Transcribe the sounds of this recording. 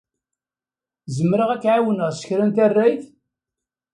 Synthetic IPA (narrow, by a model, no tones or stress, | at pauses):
zəmːɾəʁækːʕawənəʁsə̥çɾænt̪ærːæjθ